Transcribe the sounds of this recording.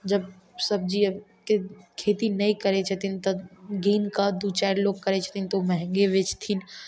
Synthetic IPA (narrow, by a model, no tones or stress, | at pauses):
d͡ʒɐb | sɐb̚d͡ʒi | kekʰeːt̪inɐĩkɐɾet͡ʃʰɐt̪ʰint̪ɐɡiːnkad̪ut͡ʃaːɖloːɡ̚kɐɾet͡ʃʰt̪ʰint̪omɛɦɛ̃ŋɡeʋɪt͡ʃt̪ʰin